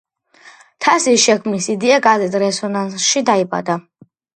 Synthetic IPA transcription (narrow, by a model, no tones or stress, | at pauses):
t̪ʰasisʃɛkʰmnisid̪iaɡʼazɛt̪ʼɾɛsɔnansʃid̪aibʼa̰d̪a